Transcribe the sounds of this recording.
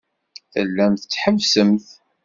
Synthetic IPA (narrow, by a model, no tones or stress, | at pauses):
θəlːæmθət͡sːħəvsəmθ